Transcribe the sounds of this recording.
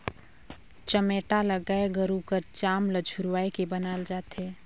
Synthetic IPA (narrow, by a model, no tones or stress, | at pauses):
t͡ʃəmeʈaləɡaeɡəɾukəɾt͡ʃaːmləd͡ʒʱʊɾwaːekebənaːld͡ʒaːt̪ɦɛː